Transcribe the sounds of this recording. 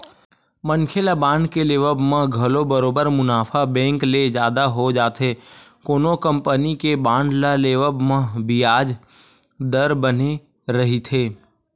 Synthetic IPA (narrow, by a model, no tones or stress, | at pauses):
mənkʰelabãːɳɖkeleːʋəbmə̃ɡʱəlobəɾoːbəɾmʊnaːpʰabɛ̃ːŋkled͡ʒjaːd̪aɦod͡ʒaːt̪ɦeːkoːnokə̃mpənikebãːɳɖlaleːʋəbmə̃bijaːd͡ʒ | d̪əɾbəne | ɾəɦit̪ʰeː